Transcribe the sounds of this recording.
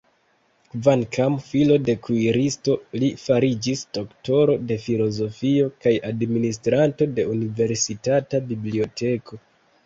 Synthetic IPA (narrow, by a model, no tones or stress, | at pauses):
kvaŋkʰamfilo̞de̞kʰuiɾisto̞lifaɾid͡ʒisd̥o̞kto̞ɾo̞de̞filo̞zo̞fio̞kajadministɾanto̞de̞unive̞ɾsitatabiblio̞tʰe̞kʰo̞